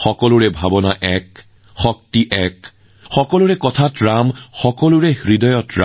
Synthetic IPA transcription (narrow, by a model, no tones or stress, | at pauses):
xɔkɔlʊɹɛbʱabɔnaʔɛk | xɔk̚tiʔɛk | xɔkɔlʊɹɛkɔtʰatɹamxɔkɔlʊɹɛxɹidɔjɔtɹa̰